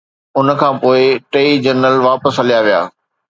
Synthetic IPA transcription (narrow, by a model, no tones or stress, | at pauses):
ʊnkʰãːpoːɪʈeːid͡ʑɐɾnəlʋaːpəsɦɐlijaʋija̰ː